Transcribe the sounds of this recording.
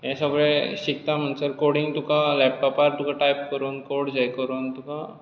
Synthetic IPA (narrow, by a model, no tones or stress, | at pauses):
jɛ̃səɡɭẽɕik̚t̪am̤əɳsəɾkoɽiŋɡt̪ukalɛp̚ʈɔpaɾt̪ukaʈajp̚kəɾuːnkoɽd͡ʑajkəɾuːnt̪uka